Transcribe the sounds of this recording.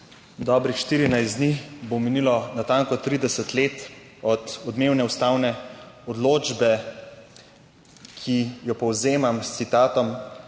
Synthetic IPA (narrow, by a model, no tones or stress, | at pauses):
d̪ɔːbɾixʃt̪iːɾinajsd̪nixbominilɔnat̪aːŋkɔt̪ɾiːd̪ɛsɛt̪leːt̪ | ɔd̪ɔd̪meːwnɛust̪aːwnɛɔd̪loːd͡ʒbɛ | kʰijɔpɔwzeːmamst̪sit̪aːt̪ɔm